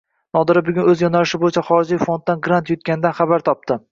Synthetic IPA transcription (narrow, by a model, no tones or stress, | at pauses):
nɒd̪ɪɾɪbʊɡʲʊnɵzjɒnalɪʃɪbojɪt͡ʃʰaχɒɾɪd͡ʒɪjfo̞nd̪̚ːanɡɾant̪jʊt̪̚kʲanɪd̪anχabaɾt̪ʰɒp̚t̪ɪ